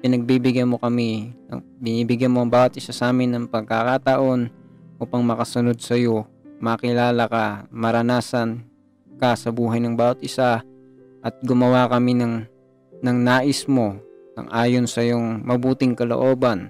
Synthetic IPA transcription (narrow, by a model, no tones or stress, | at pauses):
pɪnɐɡ̚bibɪɡanmo̞kɐminɐ̰ŋbɪniːbɪɡjɐnmoʔɐŋbaːwɐt̪̚ʔɪsasʔaːmɪnːɐŋpɐɡ̚kakaːt̪ɐʔo̞nʔuːpɐŋmɐkɐsʊno̞d̪̚sɐjo̞mɐkɪlaːlɐkɐmɐɾɐnaːsɐn | kɐsɐbuːɦɐjnɐŋbaːwɐt̪̚ʔɪsa | ʔɐt̪̚ɡʊmɐwakɐminɐŋ | nɐŋnaːʔɪsmo̞nɐ̰ŋʔaːjo̞nsɐjoŋmɐbuːt̪ɪŋkɐlo̰ʔo̞ːbɐn